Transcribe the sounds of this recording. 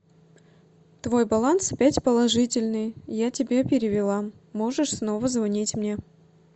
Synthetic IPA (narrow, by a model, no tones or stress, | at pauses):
t̪vo̞jbɐlˠant̪sɐpʲætʲpəlˠɐʐɨtʲɪlʲnɨjjatʲɪbʲe̞pʲɪɾʲɪvʲɪlˠa | mo̞ʐɨʂsno̞vəzvɐnʲitʲmnʲe̞